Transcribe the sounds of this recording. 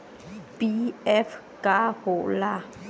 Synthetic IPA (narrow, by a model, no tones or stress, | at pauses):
b̥ief | kaho̰la